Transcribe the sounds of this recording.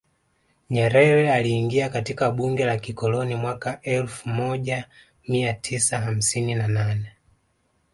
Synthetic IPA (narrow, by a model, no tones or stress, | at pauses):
ɲɛɾɛɾɛaliːŋɡiakatikaɓuŋɡɛlakikɔlɔnimwakaʔɛlfumɔʄa | miatʰisaɦam̩sininananɛ